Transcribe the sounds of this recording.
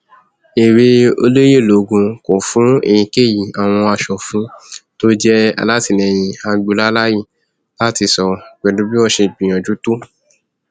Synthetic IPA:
e˨ɾe˧o̰˧lo˦je˦˨lo˨˦ɡũ˧kɔ˨fũ˨˦ḛ˨jĩ˧ke˦˨ji˨a˨w̃ɔ̃˧a˧˨ʃɔ˨fũ˨˦to˦d͡ʒɛ˦a̰˧la˦ti˦˨nɛ̃˨j̃ĩ˧a˧ɡ͡bu˧la˦la˦ji˦˨ | la˦ti˧sɔ˧ɡ͡bɛ˧lu˨˦bi˦ɔ˦˨ʃe˧ɡ͡bĩ˨ɔ̃˨d͡ʒu˦to˦

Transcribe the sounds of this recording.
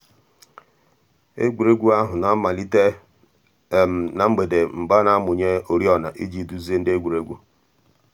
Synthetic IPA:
ḛ˦ɡʷu˨ɾe˦ɡʷu˦a˦ɦʊ˨na˨˦ma˨li˦te˦˨ | m̩˨na˨ŋ͡m̩˦ɡ͡be˨de˨m̩˨ba˦na˦mʊ˨ɲe˦o˨ɾi˦ɔ˦˨na˨ʔi˦d͡ʒi˦˨du˦zi˦e˦n̩˦de˦ɡʷu˨ɾe˦ɡʷu˦

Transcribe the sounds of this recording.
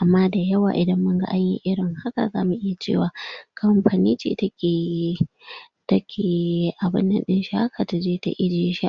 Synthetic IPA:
ʔa˨mːaː˦da˨jɐ˦waː˨ʔɪ˨dɐ˦mːʊ˦ŋɡa̰˦ʔa˦ɲjḭ˦ʔɪ˦ɽɪ˨ŋha˦ka̰˨zaː˦mu˨ʔɪ˦ja˨t͡ʃḛː˦˨waː˨kʰɐ˦mɸa˨niː˦t͡ʃḭː˨ta˦kʲeː˨ | tɐ˦kʲʰeː˨˦ʔa˨bɪ̰˦nːɐ̰˨nɗɪ˦nʃi˨ha˦kʰa˨ta˨d͡ʒeː˦ta̰˦ʔɪ˦d͡ʒeː˦ʃi˦ʔ

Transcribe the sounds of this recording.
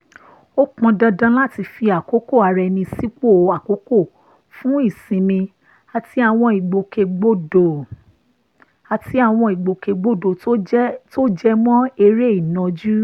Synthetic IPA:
o˦k͡pɔ̃˧dã˧dã˦la˦˨ti˧fi˧a˨ko˨˦ko˦˨a˨˧ɾɛ˧nĩ˧si˦k͡po˦˨˦a˨ko˨˦ko˦˨ | fũ˦i˦˨sĩ˨˦mĩ˧ | a˧ti˦a˦˨w̃ɔ̃˧i˨ɡ͡bo˨ke˧ɡ͡bo˦do˨ | a˧ti˦a˦˨w̃ɔ̃˧i˨ɡ͡bo˨ke˧ɡ͡bo˦do˨˦to˦d͡ʒɛ˦mɔ̃˦e˧ɾe˦i˦˨nã˨d͡ʒu˦

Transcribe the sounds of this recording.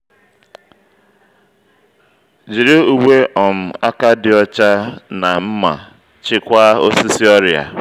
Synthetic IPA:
d͡ʒi˨ɾi˦u˨we˦ʔɔ˨m̩˨a˦ka˦dɪ˨ɔ˦t͡ʃa˦na˨m̩˦ma̰˨ | t͡ʃɪ˦kʷa˦o˦si˦si˦ɔ˦ɾja̰˨

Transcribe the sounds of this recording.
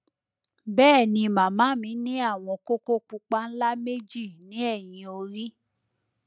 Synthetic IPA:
bɛː˦˨nĩ˧mã˨mã˨˦mĩ˨˦nĩ˦a˦˨w̃ɔ̃˧ko˦ko˦k͡pu˧k͡pa˦n̩˦la˦me˦d͡ʒi˦˨nĩ˨˦ɛ˦˨j̃ĩ˧o˧ɾi˦

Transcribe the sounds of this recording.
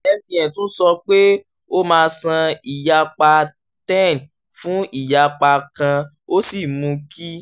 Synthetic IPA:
ɛ˧tĩ˧˦ɛ̃˨tũ˦sɔ˧k͡pe˦ | o˦mãː˧sã˧i˨ja˧k͡pa˧ | tɛ̃˦˨n˨ | fũ˦i˦˨ja˧k͡pa˧kã˧ | o˦si˦˨mũ˧kʰi˦

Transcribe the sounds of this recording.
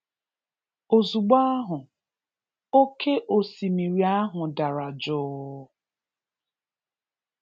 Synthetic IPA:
o˨zu˨ɡ͡ba˦a˦ɦʊ˨ | o˦ke˦ʔo˨si˨mi˨ɾi˨a˦ɦʊ˨da˨ɾa˨d͡ʒʊ˦

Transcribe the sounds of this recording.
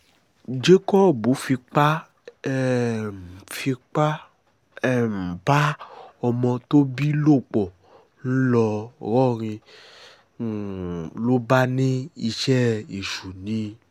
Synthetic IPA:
d͡ʒe˦kɔ˦˨bo˨˦fi˧k͡pa˦˨ | m˨fi˧k͡pa˦˨ | m̩˨ba˦ɔ˧mɔ̃˧t̪o˦bi˦lo˦˨k͡pɔ˨ | n̩˦lɔ˧ɣɔ˦˨ɾ̃ĩ˧˨ | lo˦ba˦nĩ˦i˧ʃɛ˦i˨ʃu˨nĩ˦

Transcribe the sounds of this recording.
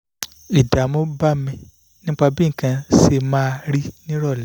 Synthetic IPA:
i˨da˨mo˨˦ba˦mĩ˧ | nĩ˦k͡pa˧bi˦ŋ̩˨kã˧se˧mãː˦˧ɾi˦nĩ˦ɾɔ˦˨lɛ˨˦

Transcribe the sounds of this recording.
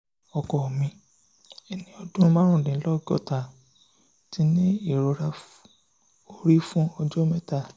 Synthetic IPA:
ɔ˨kɔ˨mĩ˧ | ɛ˨nĩ˧˦ɔ˧dũ˦˧mãː˦ɾ̃ũ˦˨dĩ˨˦lɔ˦ɡɔ̰˦˨ta˨ | ti˧˦nĩ˦i˦˨ɾo˨˦ɾa˧ | o˧ɾi˦fũ˦ɔ˧d͡ʒo˦mɛ˦ta˦˨

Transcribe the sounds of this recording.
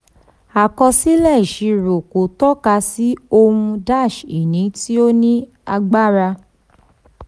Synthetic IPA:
a˨kɔ˧si˦lɛ˦˨i˨ʃi˧ɾo˨ko˨tɔ˦ka˧si˦o˧hũ˧da˦˨ʃi˨nĩ˨˦ti˦o˦nĩ˦ | a˧ɡ͡ba˦˨ɾa˧

